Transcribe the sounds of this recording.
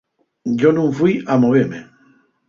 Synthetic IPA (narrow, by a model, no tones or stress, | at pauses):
d͡ʒonũɱfwijamoβeɾme